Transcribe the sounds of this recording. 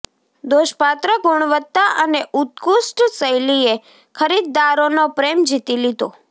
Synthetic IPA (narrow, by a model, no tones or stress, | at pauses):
d̪oʃpat̪ɾəɡuɳ̃ʋət̪ːaʔəneʔut̪̚kusʈsəjlie | kʰəɾid̪̚ːaɾonopɾemd͡ʒit̪ilid̪o